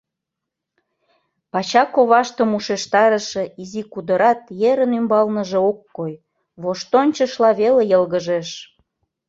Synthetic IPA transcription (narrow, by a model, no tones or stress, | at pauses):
pɑt͡ɕɑkoβɑʃt̪ə̆muʃeʃt̪ɑɾə̆ʃĕizikud̪əɾɑt̪jeɾənymbɑlnəʒĕokːoj | βoʃt̪onʲt͡ɕəʃlɑβelejəlɣəʒeʃ